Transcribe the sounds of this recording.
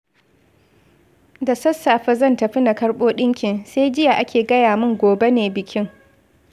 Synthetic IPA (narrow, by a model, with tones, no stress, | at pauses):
da˨sɐ˦sːaː˨ɸɐ˦zɐ˦ntɐ˨ɸɪ˦na˨kɐ˦ɽɓoː˦ɗɪ˦ŋkʲɪ˨nseː˦jd͡ʒɪ˦ja˨ʔa˦kʲeː˨ɡɐ˦jaː˨mɪ˦ŋɡʷoː˨be˦neː˨bɪ˨kʲɪ˦ŋ